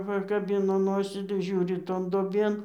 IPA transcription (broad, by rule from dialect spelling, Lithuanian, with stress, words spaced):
pɐkɐˈbʲɪnoː ˈnoːsʲiː tɐɪ ˈʒʲuːrʲɪ ˈtoːn duɔˈbʲeːn